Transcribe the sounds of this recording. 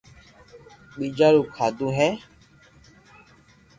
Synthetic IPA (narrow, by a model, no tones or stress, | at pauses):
k͡pid͡ʒalukʰaduɦɛ